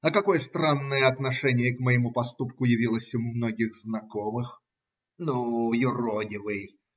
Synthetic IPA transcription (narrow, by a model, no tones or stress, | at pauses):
ɐkɐko̞jəst̪ɾanːəjəɐt̪nɐʂɛnʲɪjəkməjɪmupɐst̪upkʊjɪvʲilˠəsʲɪmumno̞ɡʲɪɣznɐkomɨx | nujʊrodʲɪvɨj